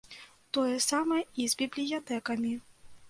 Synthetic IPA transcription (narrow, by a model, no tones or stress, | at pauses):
t̪ɔjɛsamɐjɛizʲbʲiblʲijat̪ɛkɐmʲi